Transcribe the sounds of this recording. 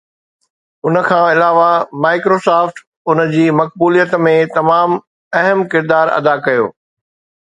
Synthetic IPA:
ʊnə̆kʰãːɪlaːʋamaːɪkɾoːsaːfʈ | ʊnə̆d͡ʑiːmɐk̚buːlijət̪mẽt̪ɐmaːm | ɐɦəmkɪɾd̪aːɾɐ̰d̪akɐjo̰ː

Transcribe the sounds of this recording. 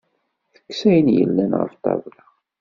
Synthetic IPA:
θə̥kːsæjnjə̰lːænʁə̰ft̪ˤɑ̰vla

